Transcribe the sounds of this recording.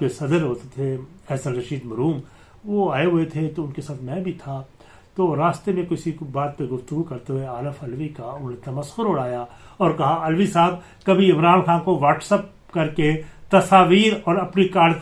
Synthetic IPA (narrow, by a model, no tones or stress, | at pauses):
kesɐd̪əɾɦoːt̪et̪ʰeɛɦsə̃nɾɐʃiːd̪mɐɾuːm | ʋoaːeɦʊet̪ʰet̪oʊnkesaːt̪ʰmɛ̃ːbʱit̪ʰa | t̪oːɾaːst̪emẽkɪsibaːt̪̚peɾɡʊft̪ʊɡukɐɾt̪eɦueaːləfɐlʋikaʊnɦẽt̪ɐməsxʊɾʊɽ̤aːjaɔːɾkɐɦaɐlʋisaːb̚ | kɐbʱiɪmɾaːnxaːnkoʋaːʈsəp̚ | kɐɾket̪ɐsaːʋiːɾɔːɾɐpnikaːɾɖ